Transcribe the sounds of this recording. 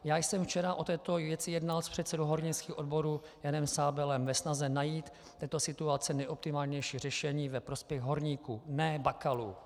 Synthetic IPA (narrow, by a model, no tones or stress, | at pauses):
jaːjsɛmft͡ʃɛɾaʔo̞t̪ɛːt̪ovjɛt͡sɪjɛdnalspr̝̥ɛt̪sɛdoɦo̞ɾɲɪskiːxʔo̞dbo̞ɾuːjanɛmsaːbɛlɛmvɛsnazɛnajiːt̪ːɛːt̪o̞sɪt̪uat͡sɛnɛjʔo̞p̚t̪ɪmaːlɲɛjʃiːr̝ɛʃɛɲiːvɛpɾo̞spjɛɣɦo̞ɾɲiːkuːnɛːbakaluː